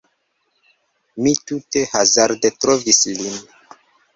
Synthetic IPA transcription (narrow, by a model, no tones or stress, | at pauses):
mitute̞hazaɾdetɾovislin